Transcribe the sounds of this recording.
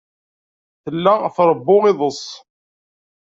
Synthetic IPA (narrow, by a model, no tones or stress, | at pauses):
θəlːaθɾˤəbːʊʁiðˤəsˤ